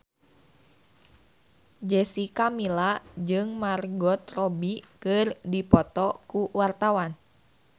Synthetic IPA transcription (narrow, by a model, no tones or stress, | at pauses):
d͡ʒɛsikamilad͡ʒɨŋmarɡɔt̪rɔbikɨrdipɔt̪ɔkuwart̪awan